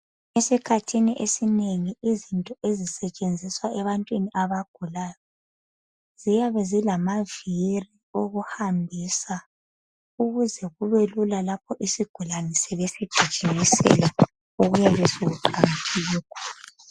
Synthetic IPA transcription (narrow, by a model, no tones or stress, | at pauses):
esikʰatʰiniʔesineŋiʔizintʼɔʔezisɛt͡ʃʼend͡zʱiswaɛβantʼwiniʔaβaɡ̥ʱulajɔ | z̥ijaβɛzilamaviri | oɣuhambʱiːsa | uɣuzɛɣuβelulalap̚ʰɔʔisiɡ̥ʱulanɛsɛβesid̥ʒ̥ʱid̥ʒ̥ʱimisɛ̰la | uɣujaβesiɣuǃaŋatʰiɣiːkʰɔ̥ːla